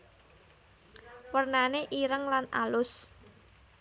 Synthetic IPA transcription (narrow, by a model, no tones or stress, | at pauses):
wərnaneʔiɾəŋlana̰lʊs